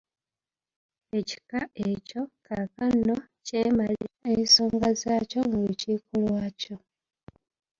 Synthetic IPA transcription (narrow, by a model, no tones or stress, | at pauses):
e̞ci̥kae̞co̞kʰakanːo̞ceːmaliɾaesoːŋɡazaːco̞ŋɡaucikulwaːco